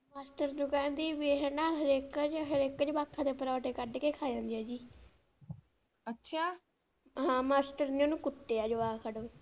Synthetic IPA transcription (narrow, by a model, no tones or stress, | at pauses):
maːsʈəɾnũːkɛ̃ːnd̪iːʋeːɦɛ̃naːɦəɾeːkət͡ʃɦəɾeːkːət͡ʃbaːkʰːãːd̪eːpəɾɔːʈeːkəɖkeːkʰaːd͡ʒãːnd̪ijaːd͡ʒiː | ətːʃʰaː | ɦãːmaːsʈəɾnĩoːnũːkʊʈːeːaːd͡ʒoʋaːkʰəɽoː